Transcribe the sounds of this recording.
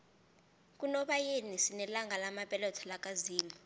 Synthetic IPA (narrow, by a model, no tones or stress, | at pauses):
k̬ʼunɔɓajenisinɛlaŋɡʱalamapʼɛlɔtʰalakʼaziːli